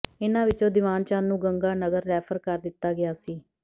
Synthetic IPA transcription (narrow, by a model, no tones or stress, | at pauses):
ɪnãːʋɪt͡ʃõːd̪ɪʋaːnt͡ʃãːnːũːɡəŋɡaːnəɡəɾlɛːpʰəɾkəɾd̪ɪt̪ːaːɡɪaːsiː